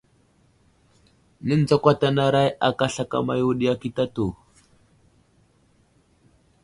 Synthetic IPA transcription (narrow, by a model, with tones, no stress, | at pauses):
nə˦n˨d͡za˦kʷa˦ta˦na˦ɾa˦ja˨ka˦ɬa˦˨ka̰˦ma̰˨ju˦ɗi˦ja˦ki˦ta˦tu˨